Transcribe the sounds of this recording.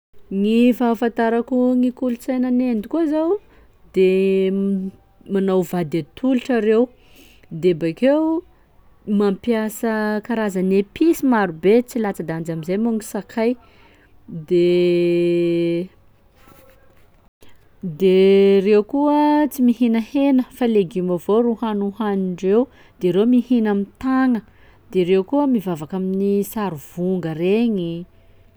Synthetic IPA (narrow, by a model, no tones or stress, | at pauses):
ŋifafant̪aɾakuŋikulut͡sajnanend̪ikuzaw | d̪̥e | manawvad̪et̪uluʈ͡ʂaɾew | d̪ebakew | mampjasəkaɾazanepisimaɾubet͡silat͡sad̪and͡ʒamizejmoŋi̥sakʰaj | d̪e | d̪erewkuət͡simiɦinəhenəfaleɡimovoɾuhanuhaniɳɖ͡ʐew | d̪̥eɾewmihinamint̪aŋə | d̪̥eɾewkuəmivavakaminisaɾuv̥uŋɡəɾeɲi